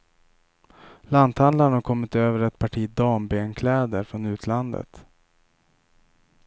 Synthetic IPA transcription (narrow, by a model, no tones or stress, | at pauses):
lant̪hand̪laɾənhaɾkʰɔmːɪt̪øːvəɾɛt̪pʰaʈʰiːd̪ɑːmbeːnkʰlɛːd̪əɾfɾɔnʉ̟ːt̪ʰland̪ə̰t̪